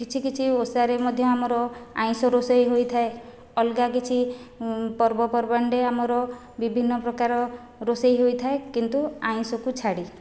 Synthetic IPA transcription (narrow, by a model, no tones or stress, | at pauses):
kit͡ʃʰikit͡ʃʰiosaɾemɔd̪ʱjɔamɔɾɔa̰j̃sɔɾosɔjɦojt̪ʰae | ɔlɡakit͡ʃʰi | pɔɾbɔpɔɾbaɳɖeamɔɾɔ | bibʱinːɔpɾɔkaɾɔ | ɾosejɦojt̪ʰaekint̪uaj̃sɔkut͡ʃʰaɽi